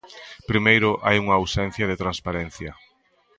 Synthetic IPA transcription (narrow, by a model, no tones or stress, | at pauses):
pɾimejɾʊʔajuŋɐːwsɛn̟θjɐðɪt̪ɾanspaɾɛn̟θjɐ